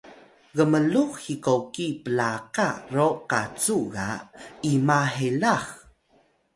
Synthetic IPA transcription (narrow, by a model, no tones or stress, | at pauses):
ɣəməluxhikokipəlaqaroqat͡suɣaimaɦelax